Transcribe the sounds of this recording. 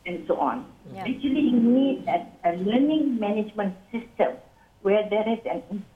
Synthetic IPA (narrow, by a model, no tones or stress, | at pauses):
ɛ̃nsoʔɔ̰̃nɛk̚t͡ʃuəliunidɛt̚ələnɪ̃ŋmɛ̃nɪd͡ʒmə̃nsɪstə̃m | wɛdɛɹisɛ̃nɪ̃n